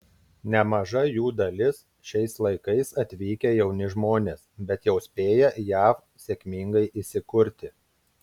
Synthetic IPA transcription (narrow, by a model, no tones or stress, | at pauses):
nʲɛmɐʒɐjuːd̪ɐlʲɪs | ʃʲɛɪslˠɐɪkɐɪsɐt̪ʲʋʲiːkʲɛjɛʊnʲɪʒmoːnʲeːsbʲɛt̪jɛʊsʲpʲeːjɛjæːf | sʲeːkʲmʲiŋɡɐɪʔisʲɪkʊɾʲt̪ʲɪ